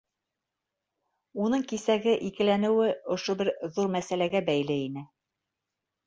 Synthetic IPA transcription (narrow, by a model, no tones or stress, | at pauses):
unɤɴkisæɡɘʔikɘ̆lænɘ̆wɘŏʃobɘɾðuɾmæsælæɡæbæjlɘinɘ